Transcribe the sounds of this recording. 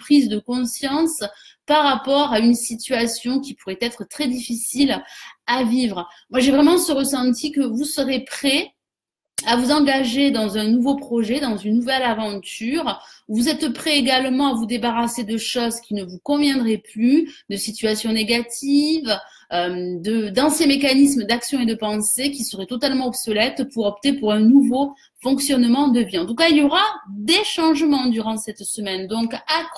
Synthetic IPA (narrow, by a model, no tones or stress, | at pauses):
pχizd̪əkɔ̃sjɑ̃spaʁapɔʁaynsit̪ɥasjɔ̃kʲipuʁɛt̪ɛt̪χət̪χɛd̪ifisilavivʁəmwaʒevʁɛmɑ̃səʁəsɑ̃t̪ikəvusəʁepχɛ | avuzɑ̃ɡaʒed̪ɑ̃zɛ̃nuvopχɔʒɛd̪ɑ̃zynːuvɛlavɑ̃t̪yʁvuzɛt̪pχɛeɡalmɑ̃avud̪ebaʁased̪əʃɔzkʲinəvukɔ̃vjɛ̃d̪ʁɛplyd̪əsit̪ɥasjɔ̃neɡat̪ʰiv | ømd̪əd̪ɑ̃sjɛ̃mekanis̬md̪aksjɔ̃ed̪əpɑ̃sek̬ʲisəʁɛt̪ɔt̪almɑ̃ɔbsɔlɛt̪puʁɔpt̪epuʁɛ̃nuvo | fɔ̃ksjɔnmɑ̃d̪əviɑ̃t̪ukailjɔʁad̪eʃɑ̃ʒəmɑ̃d̪yʁɑ̃sɛt̪səmɛnd̪ɔ̃ka